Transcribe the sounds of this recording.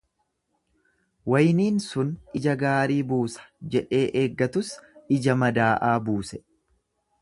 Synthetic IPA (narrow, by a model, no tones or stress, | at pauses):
wɐjniːnsʊnɪd͡ʒɐɡaːɾiːbuːsɐ̥d͡ʒɛᶑe̞ːʔeːɡːɐt̪ʊsɪd͡ʒɐmɐd̪aːʔaːbuːsɛ